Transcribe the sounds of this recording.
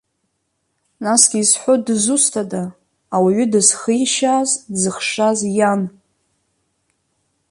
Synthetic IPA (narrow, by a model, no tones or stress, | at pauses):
nasɡ̥ʲiːsħʷodzustʰadaː | waɥʏdɨzχəjʃaːzzɨχʂazjan